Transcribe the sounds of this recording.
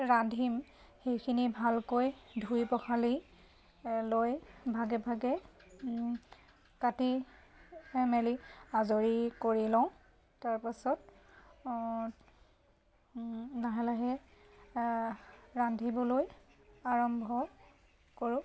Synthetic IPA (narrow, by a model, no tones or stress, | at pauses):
ɹandʱim | xejkʰinibʱalkojdʱujpɔxʰali | lojbʱaɡɛbʱaɡɛ | kati | mɛliazoɹikoɹilɔw̃ | taɹpasɔt̚ | naɦɛlaɦɛ | ɹandʱibɔlojaɹɔmbʱɔ | koɹʊ̃